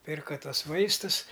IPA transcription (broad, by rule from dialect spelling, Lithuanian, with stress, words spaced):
ˈpʲɪrkɐ ˈtuɔs ˈʋɐɪstʊs